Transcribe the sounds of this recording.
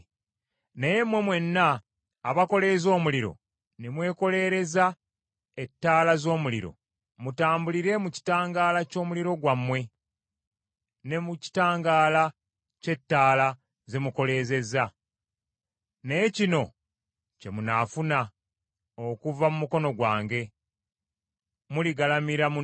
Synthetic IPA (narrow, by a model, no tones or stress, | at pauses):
neje̞mwe̞mwe̞nːaː | βako̞le̞zo̞ːmuliɾo̞̰ | nemwe̞ːko̞le̞ɾe̞za | e̞tːaːlazo̞ːmulḭɾo̞̰ | mutaːmbuliɾe̞muci̥taːŋɡaːlaco̞ːmuliɾo̞ɡwamːwe̞ | ne̞muci̥taːŋɡaːla | ce̞tːaːla | ze̞muko̞le̞ːze̞za | ne̞cino̞ | ce̞munafuna | okuvamumuko̞no̞ɡwaːŋɡe̞ | muliɡalamiɾamu